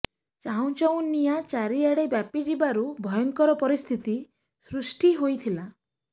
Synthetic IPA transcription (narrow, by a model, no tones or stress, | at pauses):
t͡ʃaũt͡ʃɔw̃nijat͡ʃaɾiaɽebjapid͡ʒibaɾubʱɔjɔŋkɔɾɔpɔɾist̪ʰit̪i | sɾusʈiɦojt̪ʰila